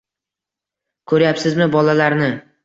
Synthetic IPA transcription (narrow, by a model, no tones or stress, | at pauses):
kʰɵɾjapsɪzmɪbɒlalaɾnɪ